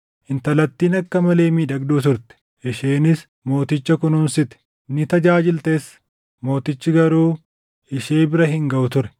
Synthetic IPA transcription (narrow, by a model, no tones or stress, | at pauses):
ʔɪnt̪ɐlɐt̪ːiːnɐkːɐmɐle̞ːmiːᶑɐɡd̪uːt̪ʊɾt̪ɛ̥ | ʔɪʃeːnɪs | mo̞ːt̪ɪt͡ʃːɐkʊnuːnsɪt̪ɛ̥ | nːɪt̪ɐd͡ʒaːd͡ʒɪlt̪e̞ːs | mo̞ːt̪ɪt͡ʃːɪɡɐɾuː | ɪʃeːbɪɾɐɦɪŋɡɐʔʊt̪ʊɾɛ̥